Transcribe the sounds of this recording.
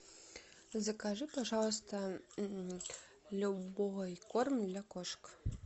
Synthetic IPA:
zɐkaʐɨpaʐɑlˠs̬t̪ɐ | lʲubojkormd̪lʲakoʂk

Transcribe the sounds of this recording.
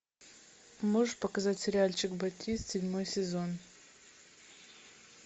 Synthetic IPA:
mɨʐpakazatʲsʲeɾʲialʲt͡ʃʰɪkbatʰʲistsʲedʲmo̞jsʲezo̞n

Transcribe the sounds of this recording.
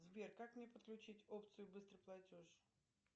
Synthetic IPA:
zbʲerkakmnʲepət̪̚klʲʉt͡ɕitʲo̞pt̪sɨjʊbɨst̪ɾɨplˠɐtʲoʂ

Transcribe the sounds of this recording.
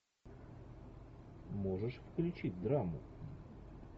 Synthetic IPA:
moʐɨʂfklʲʊt͡ɕitʲd̪ɾamʊ

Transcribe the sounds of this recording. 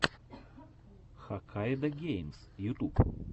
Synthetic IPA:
xakʰajd̪ɐɡʲejmsjut̪up

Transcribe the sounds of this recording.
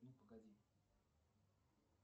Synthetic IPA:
nupəɡad̪ʲi

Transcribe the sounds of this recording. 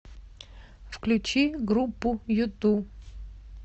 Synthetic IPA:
fklʲʊt͡ɕiɡɾupːʊjʊt̪u

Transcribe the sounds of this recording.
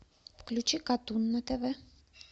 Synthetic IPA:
klut͡ʃʰikɑt̪unːət̪ɛvɛ

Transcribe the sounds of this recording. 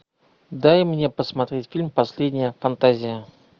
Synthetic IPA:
d̪ajmnʲe̞pəsmɐt̪ɾʲetʲfʲilʲmpɐsʲlʲedʲnʲɪjəfɐnt̪azʲɪjə

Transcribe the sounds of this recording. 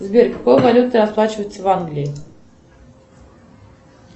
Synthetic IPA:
zbʲerkakojvalʲut̪ɨɐsplˠat͡ɕɪvəjɪt̪səvanɡlʲɪjɪ

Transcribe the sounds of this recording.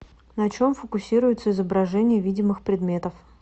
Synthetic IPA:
nɐt͡ɕo̞mfəkʊsʲiɾʊjɪt̪səɪzəbɾɐʐɛnʲɪjəvʲidʲɪmɨxpɾʲɪd̪mʲe̞t̪əf

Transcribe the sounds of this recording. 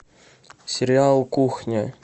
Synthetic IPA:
sʲɪɾʲɪalˠkuxnʲɪ

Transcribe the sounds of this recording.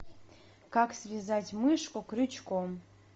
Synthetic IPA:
kaksvʲizatʲmɨʂkʼokrɨt͡ʃʰkʷʼom

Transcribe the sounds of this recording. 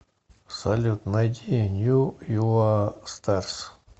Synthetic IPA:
salʲut̪najd̪ʲinʲjujuast̪ars

